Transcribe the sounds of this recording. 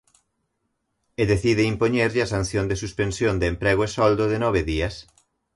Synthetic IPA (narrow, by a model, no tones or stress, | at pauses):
eðeθiðɪimpoɲeɾʎɐsan̟θjond̪esuspensjond̪eːmpɾeɣoesɔld̪oðenɔβ̞eðiɐs